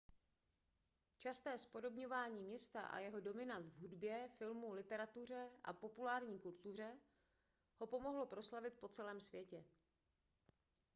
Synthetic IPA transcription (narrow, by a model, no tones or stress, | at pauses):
t͡ʃast̪ɛːspo̞do̞bɲo̞vaːɲiːmɲɛst̪a̰ʔa̰jɛɦo̞do̞mɪnant̪vɦudbjɛfɪlmulɪt̪ɛɾat̪ur̝ɛʔa̰po̞pulaːɾɲiːkult̪ur̝ɛ | ho̞po̞mo̞ɦlo̞pɾo̞slavɪt̪̚po̞t͡sɛlɛːmsvjɛcɛ